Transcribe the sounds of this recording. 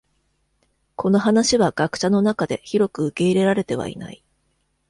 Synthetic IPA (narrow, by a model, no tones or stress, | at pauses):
kʰo̞no̞ɦanaɕiβaɡ̥akɯ̟̥ɕano̞nakad̪e̞çiɾo̞kɯ̟ɯke̞iɾe̞ɾaɾe̞t̪e̞β̞a̰ḭna̰i